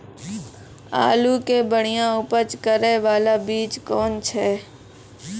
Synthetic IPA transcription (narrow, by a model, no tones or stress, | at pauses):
a̰ːluːkeːbəɳ̤ɪjãːʊpət͡ʃkəɾɛːʋaːlaːbiːt͡ʃkoːnt͡ʃʰɛː